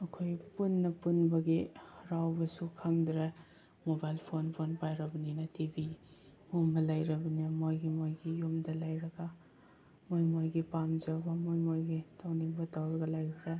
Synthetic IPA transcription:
ɐkʰojpunːɐpunbɐɡiɾawbɐsukʰaŋdɾɐ | mobajlpʰonpʰonpajɾɐbɐninɐtibi | humbɐlajɾɐbɐninɐmojɡimojɡijumdɐlajɾɐɡa | mojmojɡipamd͡ʒawbɐmojmojɡitʰawnibɐtawɾɐɡɐlajɡɾɐ

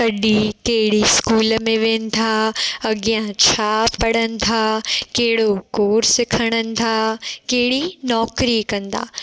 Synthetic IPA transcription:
kɐɗikeɦɪɽiskuːləmẽʋẽːnɪ̆d̪ʱʰaːɐɡjãt͡ɕʰaːpɐɽənɪ̆t̪ʰaːkeɦɪɽokoːɾsɪkʰəɽ̃ənɪ̆t̪ʰaːkeɦɪɽinɔːkɾikɐ̃nd̪a̰ː

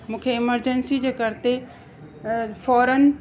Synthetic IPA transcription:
mũːkʰeɪməɾd͡ʑənsid͡ʑeːkɐɾt̪e | fɔːɾən

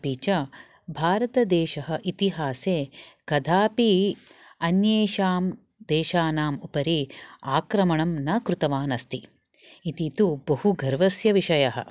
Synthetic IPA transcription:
piːt͡ʃɐ | bʱaːɾɐt̪ɐd̪ɛːʃɐɦɐ̆ʔit̪iɦaːseːkɐd̪ʱaːpi | ɐnjeːʃaːm | d̪eːʃaːnaːmupɐɾiaːkɾɐmɐɳɐmnɐkɾut̪ɐʋaːnɐst̪iː | t̪it̪ubɐhuɡɐɾʋɐsjɐʋiʂɐjɐɦɐ̰

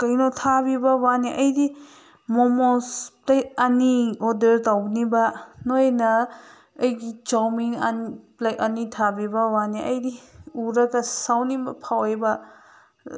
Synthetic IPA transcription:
kajnɔtʰabibɐwaniʔɐjdi | mɔmɔsplet̚aniɔdəɾtawnibanojnɐː | jɡit͡ʃawmiŋa̰niplakɐnitʰabibɐwaniʔɐjdiuɾɐkɐsawnibɐpʰawejba

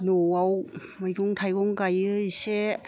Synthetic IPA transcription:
noaw | majɡuŋtʰajɡɔŋkajɯise

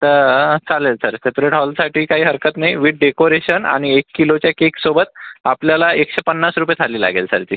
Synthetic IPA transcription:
t̪əɾt͡salelsəɾsepɾeʈɦɔlsaʈʰiːkaɦiːɦəɾkət̪naiʋiɖ̚ɖekoɾeɕəna̰ɽ̃iekːilot͡ɕjakeksobət̪̚apljalaekɕepənːasɾupjet̪ʰaliːla̰ɡelsə̰ɾt̪ḭː

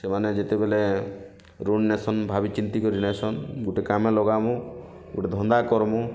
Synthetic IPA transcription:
semaned͡ʒet̪ebele | ɾoɽnesɔnbʱabit͡ʃint̪ikɔɾinesɔnɡuʈekamelɔɡamu | ɡuʈed̪ʱɔnd̪akɔɾmu

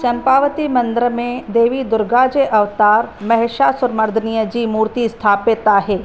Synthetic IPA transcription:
ʃɐ̃mpaːʋət̪imɐ̃nd̪ɾəmẽd̪eːʋid̪ʊɾɡaːd͡ʒeʔɐʋt̪aːɾmɐɦɪʃaːsʊɾmɐɾd̪ʱənijəd͡ʒiːmuːɾt̪ist̪ʰaːpet̪aːɦɛː

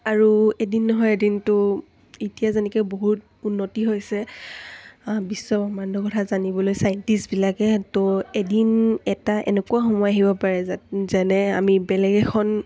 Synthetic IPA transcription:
aɹuedinːɔɦɔjedintʊ | itijazɛnɛkɛboɦut | unːotiɦojsɛ | bisːɔbɔmandʱɔkɔtʰazanibɔlojsajntisbilakɛtoedinɛtaʔɛ̰nɛkuaxɔmɔjaɦibɔpaɹɛzzanɛa̰mibɛlɛɡɛkʰɔn

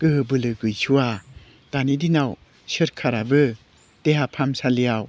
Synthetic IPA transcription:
ɡ̥ɯɦɯbɯlɯɡɯjsʰuwa | d̥anidinaw | sɯɾkʰaɾabɯ | d̥eɦapʰamsalijaw

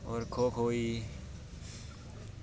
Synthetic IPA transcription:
ɔːɾkʰoːkʰɦoːiː

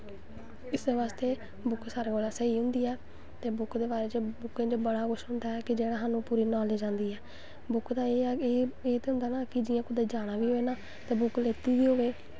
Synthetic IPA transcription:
ɪsʋaːst̪eː | bʊksaːɾeːkoːlɛːsəɦiːɦʊ̃nd̪iːɛː | t̪eːbʊkd̪eːbaːɾeːt͡ʃbʊkẽːt͡ʃəbəɽaːkʊʃɦʊ̃nd̪aːɛːkɪd͡ʒeːɽaːɦaːnũːpuːɾiːnaːleːd͡ʒãːnd̪iːɛː | bʊkd̪aːeːeːeːt̪eɦʊ̃nd̪aːnaːkɪd͡ʒɪãːkʊd̪eːd͡ʒaːɽ̃aːʋiːɦoːeːnaː | t̪eːbʊkleːt̪iːʋiːɦoːʋeː

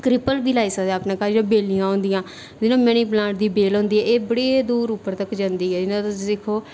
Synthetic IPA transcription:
kɾɪpəlbiːlaːiːsəkd̪aːpnãːkaːɾinãːbeːlijãːɦõːnd̪ɪjãː | d̪ɪnãːmɛñiːblãːʈ̚d̪iːbeːlõːnd̪iːɦɛːʔeːbəɽeːd̪uːɾʊpːəɾt̪əkːd͡ʒãnd̪iːɛːd͡ʒɪnãːt̪dɪkʰːoː

